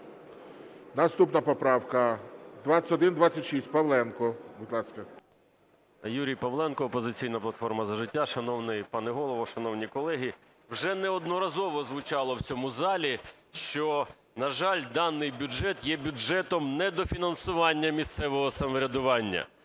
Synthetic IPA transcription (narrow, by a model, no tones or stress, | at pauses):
nɐst̪upnɐpɔpɾɑwkɐd̪ʋaɐtʲɔd̪ɪnd̪ʋat͡sʲːɐtʲʃisʲt̚ʲpɐwlˠɛnkɔbʊd̪lˠɑskɐ | juɾʲijpɐwlˠɛnkɔːpɔzɪt͡sʲijnɐplˠɐt̪fɔrmɐzɐʒɪtʲːaʃɐnɔwnɪjpɑnɛɦɔlˠɔʋɔʃɐnɔwnʲikɔlˠɛɦʲi | wʐɛnɛɔd̪nɔɾɐzɔʋɔzʋʊt͡ʃɑlˠɔwt͡sʲɔmʊzɑlʲi | ʃt͡ʃɔ | nɐʒɑlʲd̪ɑnːɪjbʲʊʒɛt̪jɛbʲʊʒɛt̪ɔmnɛd̪ɔfʲinɐnsʊʋɑnʲːɐmʲist̪sɛʋɔɦɔsɐmɔɾʲɐd̪ʊʋɑnʲːɐ̰